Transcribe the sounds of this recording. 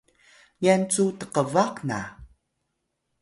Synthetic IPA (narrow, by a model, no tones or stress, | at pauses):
jant͡sutə̥qəvaqna̰